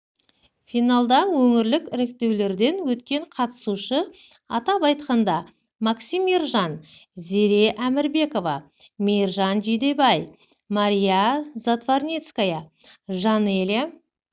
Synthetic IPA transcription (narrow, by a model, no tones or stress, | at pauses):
fijnalˠd̪ɑnwɵŋɪɾlɪkɪɾɪk̚t̪e̞wle̞ɾd̪e̞nwɵt̪kʲe̞ɴqʰɑt̪ə̥suʃə | ɑt̪ɑpɑjt̪̚qɑnd̪ɑ | mɑksʲimiɾʒɑnze̞ɾe̞ʔæmɪɾbe̞ko̞vɑ | mejrʒɑnʒed̪e̞bɑj | maɾʲijazat̪varnʲet̪skajɑ | ʒɑnelʲe